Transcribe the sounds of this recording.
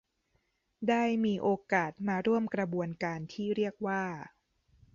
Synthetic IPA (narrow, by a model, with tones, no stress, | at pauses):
daː˥˩jmiː˧ʔoː˧kaː˨˩t̪̚maː˧ɾu˥˩əmkɾa˧bu˧ənkaː˧nt̪ʰiː˥˩ɾi˥˩ək̚waː˥˩